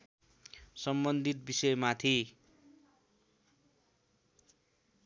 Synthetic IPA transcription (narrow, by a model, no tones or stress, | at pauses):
sʌmbʌnd̪ʱit̪̚bisʌjmat̪ʰi